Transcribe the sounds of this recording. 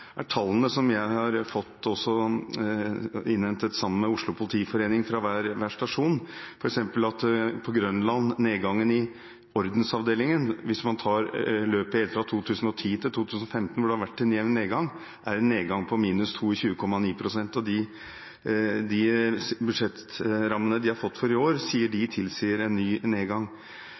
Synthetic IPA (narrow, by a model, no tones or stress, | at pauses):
æʈʰɑlːənəsɔmjæɪhɑɾfɔt̪ːɔsːɔ | ɪnhɛnt̪ət̪sɑmːənmɛʊʂɭʊpʰʊlɪt̪ʰiːfɔɾeːnɪŋfɾɑʋæːɾʋæʂʈɑʂuːnfɔɾɛksɛmpəlɑt̪pʰɔɡɾœnlɑnneːɡɑŋːənɪ | ɔɾd̪n̩sɑʋd̪eːlɪŋənʋɪsmɑnt̪ʰɑːɾløːpəheːlfɾɑt̪ʰuːt̪ʰʉːsən̩ɔt̪ʰiːt̪ʰɪlt̪uːt̪ʰʉːsn̩ɔfɛmt̪nʋʊɖɛhɑɾʋæʈːɪnjɛʋneːɡɑŋ | ʔæɾɛnːeːɡɑŋpʰɔmiːnʉst̪ʰuːçʉːəkʰɔmːɑniːpʰɾʊsɛnt̪ɔd̪ɪ | d̪ɪbʉd̪ʂɛt̪ɾɑmːənəd̪ɪhɑɾfɔt̪ːfɔɾɪoːɾsiːəɖɪt̪ʰɪlsiːəɾɛnːyːneːɡɑŋ